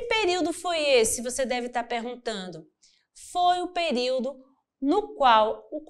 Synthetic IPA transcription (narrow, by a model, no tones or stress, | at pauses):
peɾiwd̪ʊfojesɪɪvosed̪ɛvɪt̪aɾpeɾɡũt̪ɐ̃nd̪ʊ | fojʊpeɾiwd̪ʊ | nʊkwawʊk